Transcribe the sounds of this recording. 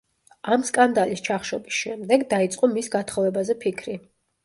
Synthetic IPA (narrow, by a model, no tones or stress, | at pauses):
amskʼand̪alist͡ʃʰaχʃɔ̰bisʃɛmd̪ɛɡd̪ait̪sʼqʼɔmisɡat̪ʰχɔvɛbazɛpʰikʰɾi